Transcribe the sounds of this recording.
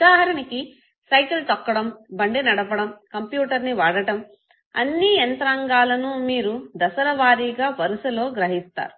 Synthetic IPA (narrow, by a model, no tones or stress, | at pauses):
ud̪aːɦɐɾɐniki | sɐjklut̪ɐkːɐɽɐmbɐɳɖenɐɽɐpɐɽɐmkɐmpjuːʈɐɾniʋaːɽɐʈɐm | ɐ̰nːiɐnt̪ɾaːŋɡaːlɐnumiːɾud̪ɐsɐɾɐʋaːɾiːɡaːpɐɾusɐlo̞ːɡɾɐɦist̪a̰ːɾu